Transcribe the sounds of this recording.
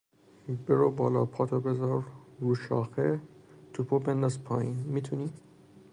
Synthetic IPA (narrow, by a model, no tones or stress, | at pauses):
beɾobɒːlɒ̰ːpʰɒːt̪ʰobezɒɾɾuːʃɒ̰ːxet̪ʰupʰobend̪aspʰɒ̰ːinmit̪ʰuni